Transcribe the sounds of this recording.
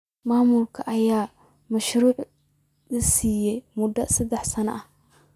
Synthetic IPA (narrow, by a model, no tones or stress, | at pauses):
maːmʊlkʰɐʔɐjaː | mɐʃɾuːʕ | lɐsiːjɛjmʊd̪ɐsɐd̪ɛħsɐnɐ̰ʔɐh